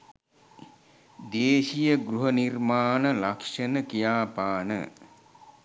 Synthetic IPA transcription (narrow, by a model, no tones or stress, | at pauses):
d̪eːʃijəɡɾuɦənirmaːnəlakʂənəkijaːpaːnə̰